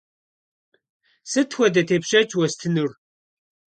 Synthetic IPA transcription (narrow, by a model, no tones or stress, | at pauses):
sɨtxʷɐdɐtʰepɕɐt͡ʃʰwɐst̪ʰɨnʊr